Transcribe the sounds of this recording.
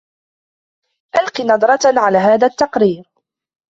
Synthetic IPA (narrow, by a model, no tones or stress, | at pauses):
ʔalqinɑd̪ˤɾˤɑʕalaːɦaːðat̪ːɑqɾiːɾ